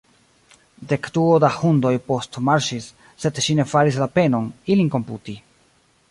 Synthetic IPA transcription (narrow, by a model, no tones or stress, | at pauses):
de̞kduodahundo̞jpo̞stmaɾʃisː | e̞dʃine̞faɾis̬lape̞no̞nilinko̞mputi